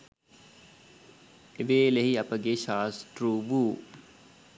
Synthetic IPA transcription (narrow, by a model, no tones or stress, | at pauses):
eʋeːleɦiɐpɐɡeʃaːst̪ɾuːʋuː